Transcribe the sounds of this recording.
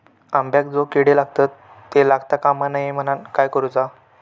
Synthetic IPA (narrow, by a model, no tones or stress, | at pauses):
ambjakd͡zokeɽelaɡ̚t̪at̪ː | elaɡt̪akamanajem̤ənankajkəɾud͡za